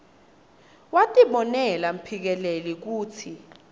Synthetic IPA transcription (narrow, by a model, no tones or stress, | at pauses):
watʼiɓɔnɛlam̩pʰik̬ɛlelik̬uːt͡sʰi